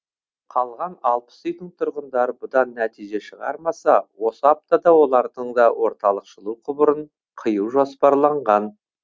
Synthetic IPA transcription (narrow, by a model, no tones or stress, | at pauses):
qʰɑlˠʁɑnɑlˠpə̥sijt̪əɴt̪ʰʊɾʁənd̪ɑɾəbʊd̪ɑnːæt̪ijʒe̞ʃəʁɑ̰ɾmɑsɑwo̞səɑp̚t̪ɑd̪ɑwo̞lˠɑɾd̪əɴd̪ɑwʔo̞ɾt̪ɑlˠəqʃəlˠuqʰʊbəɾəɴ | qʰəjəwʒospɑɾlˠɑɴʁɑn